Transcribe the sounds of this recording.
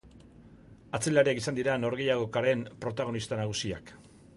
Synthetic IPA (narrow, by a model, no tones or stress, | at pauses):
at͡se̞laɾiakisand̪iɾano̞ɾɣe̞jaɣokaɾe̞mpɾo̞t̪aɣ̞o̞nist̪anaɣ̞usia̰k